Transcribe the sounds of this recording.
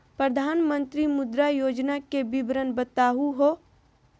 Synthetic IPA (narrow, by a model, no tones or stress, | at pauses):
pɾəd̪ʱaːnmə̃nt̪ɾimʊd̪ɾajoːd͡ʒnakebɪbɾənbət̪aːɦuɦoː